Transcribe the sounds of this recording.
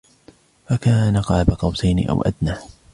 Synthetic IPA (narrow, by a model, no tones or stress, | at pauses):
fakaːnaqɑːbaqɑwsajnɪ̰ʔa̰wʔa̰d̪naː